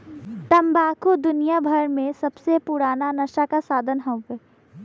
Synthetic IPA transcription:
t̪ɐmbaːkod̪ʊnijabʱɐɾmẽsɐbsepʊɾaːnanɐʃakasaːd̪ʱənɦõɡe

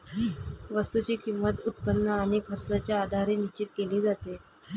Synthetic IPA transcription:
ʋəst̪ut͡ɕiːkimːət̪ut̪̚pənːəəñekɦəɾsat͡ɕjaːd̪ʱaɾenit͡ɕiʈ̪̚keliːd͡zat̪e

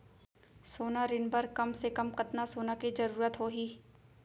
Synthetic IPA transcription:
soːnaɾɪnbɐɾkɐmsekɐmkɐt̪nasoːnakizɐɾuːɾət̪ɦoːɦiː

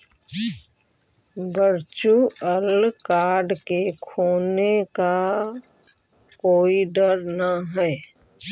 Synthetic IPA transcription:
bəɾt͡ʃuəlkaːɾɖkekʰoːneka | koːiɖəɾnaɦɛː

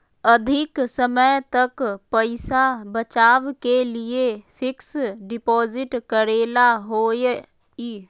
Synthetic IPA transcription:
əd̪ʱɪksəməjt̪əkpəɪsabət͡ʃaːʋkeliepʰɪksɖɪpɔːzɪʈkəɾeːlaɦoːj | i

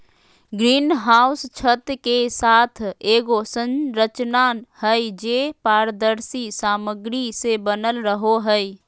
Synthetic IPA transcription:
ɡɾinɦawst͡ʃʰət̪kesat̪ʰeɡosənɾət͡ʃnanhəjd͡ʒepaɾd̪əɾsisaməɡɾisebənəlɾəɦoɦəj

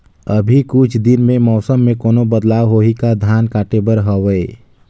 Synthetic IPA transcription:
əbʱikʊt͡ʃʰd̪ɪnmẽmɔːsəmːẽkoːnobəd̪laːwɦoːikad̪ʱjaːnkaːʈebəɾɦɔʋee

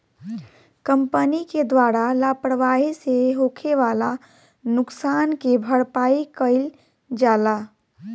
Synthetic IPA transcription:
kəmpəniked̪waɾalaːpəɽʋaːɦiseɦoːkʰeʋaːla | nʊksaːnkebʱəɽpaːikəɪl | d͡ʒaːla

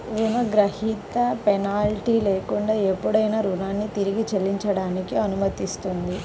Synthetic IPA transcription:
ɾunɐɡɾɐhit̪ɐpɛnaːlʈiːleːkuɳɖaːepːuɽɐjnɐɾunaːnːit̪iɾiɡit͡ʃelːiɲt͡ʃɐɽaːnikiɐnumɐt̪ist̪und̪i

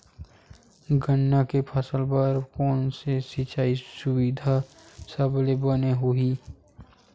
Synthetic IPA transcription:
ɡʱənːakepʰəsəlpəɾkɔːnsesit͡ʃaːisʊwid̪ʱasəblebəneɦuɦiː

